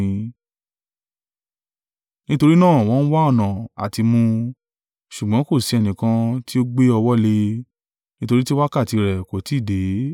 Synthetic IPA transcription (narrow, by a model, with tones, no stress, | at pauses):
ĩ˧ | nĩ˦to˧ɾi˦nãː˦˨w̃ɔ̃˨˦n̩˦wa˦ɔ˦˨nã˨a̰˨ti˧mũ˧ | ʃu˨ɡ͡bã˨˦ko˦˨si˧ɛ˧nĩ˨kã˧ti˦o˦ɡ͡be˦ɔ˧wɔ˦le˧ | nĩ˦to˧ɾi˦ti˦wa˦ka˦˨ti˧ɾɛ˨ko˨ti˨˦˨de˨˦